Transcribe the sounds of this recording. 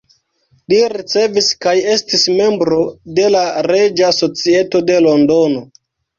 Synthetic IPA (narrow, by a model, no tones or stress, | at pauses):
liɾit͡se̞viskaje̞stisme̞mbɾo̞de̞laɾe̞d͡ʒaso̞t͡sieto̞de̞lo̞ndo̞no̞